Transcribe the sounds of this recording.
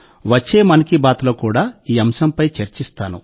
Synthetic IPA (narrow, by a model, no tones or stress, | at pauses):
ʋɐt͡ʃːeːmɐnɐkibaːt̪loːkuːɽaːiːɐmʃɐmpɐjt͡ʃeɾt͡ʃist̪aːnṵ